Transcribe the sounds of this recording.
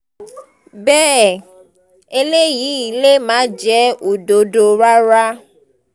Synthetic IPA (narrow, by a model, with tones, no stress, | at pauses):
bɛ˦˨ | e˦le˦ji˨˦i˨le˦mã˨˦d͡ʒɛ˦o˨ɖo˨ɖo˨ɾa˦ɾa˦